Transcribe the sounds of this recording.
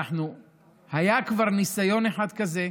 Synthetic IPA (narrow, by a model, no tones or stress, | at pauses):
aħnu | hajakvaʁnisajo̞neħad̪kaze